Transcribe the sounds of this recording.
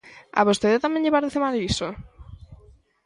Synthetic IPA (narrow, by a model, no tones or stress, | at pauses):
a̰βost̪eðat̪amẽɲʎeβaɾðeθemaðiso